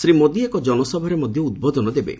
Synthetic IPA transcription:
sɾimod̪iekɔd͡ʒɔnɔsɔbʱɔɾemɔd̪ʱjɔud̪̚bod̪ʱɔnɔd̪ebḛ

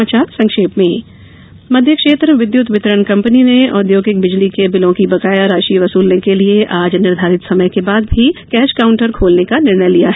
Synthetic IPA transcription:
aːt͡ʃaːɾsɐ̃ŋkʃeːpmẽ | mɐd̪ʱjəkʃeːt̪ɾʋɪd̪jut̪ʋɪt̪ɾəɳkɐ̃mpənineɔːd̪joːɡɪk̚bɪd͡ʒlikebɪlõkibɐɡaːjaɾaːʃiʋɐsuːlnekelieʔaːd͡ʒnɪɾd̪ʱaːɾɪt̪sɐməjkebaːd̪̚bʱikɛːʃkaːʊ̃ɳʈəɾkʰoːlnekanɪɾɳəjlijaɦɛ

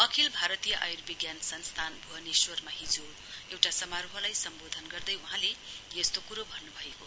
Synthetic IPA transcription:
ʌkʰilbʱaɾʌt̪ijʌʔajrbiɡjansʌnst̪ʰanbʱuɦʌniswʌrmaɦid͡zo | ewʈasʌmaɾuɦʌlajsʌmbod̪ʱʌnɡʌrd̪ʌjuɦãlejest̪okuɾobʱʌnːubʱʌeko

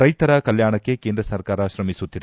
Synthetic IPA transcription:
ɾɐjt̪ɐɾɐkɐljaːɳɐkːe̞keːnd̪ɾɐsɐɾkaːɾɐʃɾɐmisut̪ːid̪

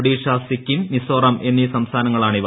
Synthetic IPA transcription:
ɽiːʂaːsikʲːimːisoːrɐmʔe̞nːisɐmst̪ʰaːnɐŋːɐɭaːɳiʋ

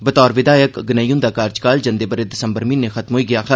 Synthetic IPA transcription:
bɐt̪ɔːɾʋɪd̪aːjəkɡɪnaːjũːnd̪akaːɾt͡ʃkaːld͡ʒɐ̃nd̪eːbəɾed̪ɪsəmbəɾmĩnːexɐt̪mɦoːiɡɪjaːxʰ

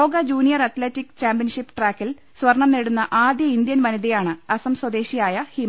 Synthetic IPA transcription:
oːɡɐd͡ʑuːnijɐrɐt̪leːtːikːt͡ɕaːmpjɐnʂipːɨʈraːkːil | swɐrɳɐmneɽunːɐʔaːd̪jɐind̪jɐnʋɐniðijaːɳɨɐsɐmswɐd̪e̞ːɕijaːjɐhim

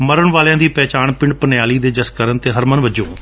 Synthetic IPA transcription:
məɾəɳʋaːljãːd̪iːpɛːt͡ʃaːɳpɪ̃ɳɖ̚pənjaːliːd̪eːd͡ʒəskəɾənt̪eːɦəɾmənʋəd͡ʒõː

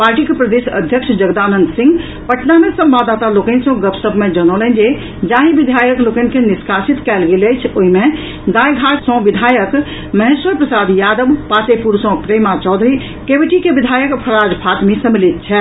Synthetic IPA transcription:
paɾʈikepɾəd̪esə̰d̪ʱjəkʃʰd͡ʒəɡd̪anənd̪sĩŋɡ | pəʈnamesə̃mbad̪at̪alokənsə̃ɡəpsəbʱmẽd͡ʒənolɛnd͡ʒe | d͡ʒãɦĩʋid̪ʱajəklokənkeniskasit̪kɛlɡelɛjt͡ʃʰoɦimẽ | d̪ajɡʱaʈsə̃ʋid̪ʱajək | məɦẽswəɾpɾəsad̪jad̪əbpat̪epuɾsɔ̃pɾemat͡ʃɔd̪ʱɾi | kebiʈikebid̪ʱajəkpʰəɾad͡ʒpʰat̪misə̃milit̪̚t͡ʃʰɛ

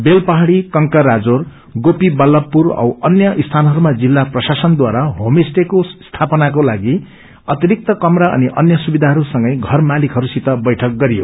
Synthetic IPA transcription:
belpʌɦaɽikʌŋkʌɾad͡zor | ɡopibʌlʌpːurʌ̰wʌ̰njʌʔist̪ʰanʌɦʌɾumad͡zilːaprʌsasʌnd̪waɾaɦomisʈekost̪ʰapʌnakolaɡi | ʌt̪iɾik̚t̪ʌkʌmɾaʔʌ̰niʔʌnjʌsubid̪ʱaɦʌɾusʌŋɡʌjɡʱʌrmalikɦʌɾusit̪ʌbʌjʈʰʌk̚ɡʌɾijo̰

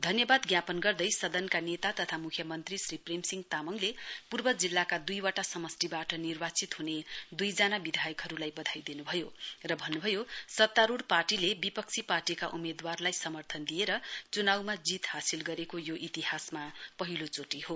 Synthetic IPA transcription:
d̪ʱʌnjʌbad̪ɡjapʌnɡʌrd̪ʌjsʌd̪ʌnkanet̪at̪ʌt̪ʰamukʰjʌmʌnt̪risriprimsiŋɡt̪amʌŋlepurbʌd͡zilːakad̪ujwaʈasʌmʌstibaʈʌnirbat͡sit̪ɦuned̪ujd͡zanabid̪ʱajʌkɦʌɾulajbʌd̪ʱajd̪inubʱʌjorʌbʱʌnːubʱʌjosʌt̪ːaɾuɽparʈilebipʌkt͡sʰiparʈikaʔumed̪warlajsʌmʌrt̪ʰʌnd̪ijeɾʌt͡sunawmad͡zit̪hasilɡʌɾekojoʔit̪iɦasmapʌɦilot͡soʈiho

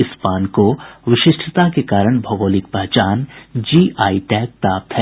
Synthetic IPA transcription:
ɪspaːnkoʋɪʃɪʃʈʰət̪akekaːɾəɽ̃bʱɐɡoːlɪk̚pɐɦt͡ʃaːnd͡ʒiːʔaːiʈɛːk̚t̪aːp̚t̪ʰɦɛ

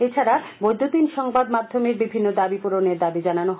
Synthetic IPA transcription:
et͡ɕʰaɾa | bojd̪ʱot̪inʃɔŋbad̪mad̪ʱːomeɾbibʱinːod̪abipuɾoneɾd̪abid͡ʑananoɦ

